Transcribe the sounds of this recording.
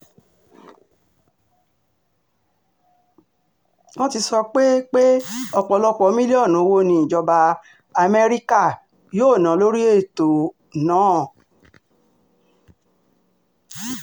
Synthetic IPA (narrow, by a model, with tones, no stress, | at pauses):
nɔ̃˦ti˧sɔ˧k͡pe˦k͡pe˦ɔ˧˨k͡pɔ˧lɔ˧k͡pɔ˧˦mĩ˦li˦ɔ˦˨nũ˨˦˧wo˧nĩ˧ĩ˨d͡ʒɔ˧ba˧ | a˧˨me˧ɾi˦ka˦˨ | joː˦˨nã˨˦lo˦ɾi˦e˦˨to˨ | nãː˨˦˨